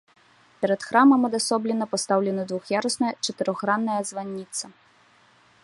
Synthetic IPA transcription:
pʲɛɾɐt̪xɾamɐmɐd̪asɔblʲɛnɐpast̪awlʲɛnɐd̪vuxjaɾɐsnɐjɐt͡ʂɐt̪ɨɾɔɣɾanːɐjɐzvanʲːit̪sɐ

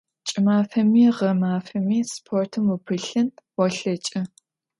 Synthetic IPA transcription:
t͡ʃʼɪmaːfɐmiːʁɐmaːfɐmiːspʰortʰɨmupʰɨɬɨnwɔɬɐt͡ʃʼɐ

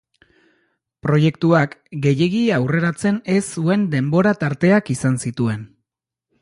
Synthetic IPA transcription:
pɾo̞je̞kt̪uakɡe̞je̞ɣiawre̞ɾat͡se̞ne̞sːue̞nd̪e̞mbo̞ɾat̪aɾt̪e̞akisansit̪ue̞n

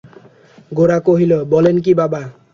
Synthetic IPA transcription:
ɡoɾakoɦilobɔlenk̬ibaba

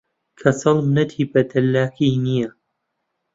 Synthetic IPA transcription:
kʰɐsɐlmnɐt̪ʰiːbɐt̪ʰɐlːaːkʰiːnijɐ

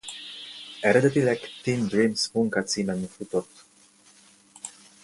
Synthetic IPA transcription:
ɛɾɛd̪et̪ilɛkt̪ind̪ɾimsmuŋkasimanfut̪ɔt̪

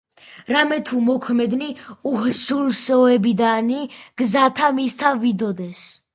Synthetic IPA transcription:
ɾamɛt̪ʰumɔkʰmɛd̪niuhʒuɾsɔɛbid̪aniɡ̥zat̪ʰamist̪ʰavid̪ɔd̪ɛs

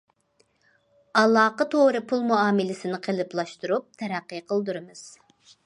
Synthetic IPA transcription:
ɑlˠɑːqət̪ʰoɾɨpʰulˠmuɑːmɪlɪsɪnɪqʰəlˠɨplˠɑʃt̪uɾup̚t̪ʰɛɾæqːɨqʰəlˠd̪uɾɨmɨz̥

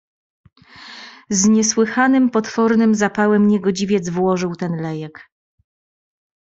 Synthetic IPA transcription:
zɲɛswɘxanɘmpɔt̪fɔɾnɘmzapawɛmɲɛɡɔd͡ʑivʲjɛd̪zvwɔʐɘwt̪ɛnlɛjɛk

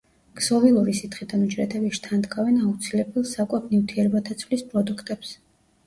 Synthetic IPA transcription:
ɡ̥z̥ɔvilˠuɾisit̪χid̪anud͡ʒɾɛt̪ʰɛbiʃt̪ʰand̪ɡʰʼavɛnaut̪sʰilɛbɛlˠsakʼwɛp̚ʰnivt̪ʰiɛɾɛbat̪ʰat̪sʰvlispʼɾɔd̪ukʰt̪ʼɛps

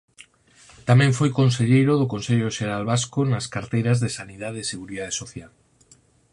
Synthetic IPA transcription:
t̪amẽɱfojkonseʎejɾoðokonseʎoʃeɾalβaskonaskaɾt̪ejɾazðesanið̞aðeseɣuɾiðaðesoθjal

